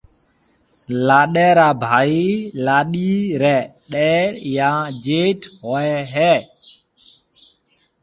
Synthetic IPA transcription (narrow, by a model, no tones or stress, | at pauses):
laɗɛɾabʱailaɗiɾɛɗɛjad͡ʒethɔjɛɦɛ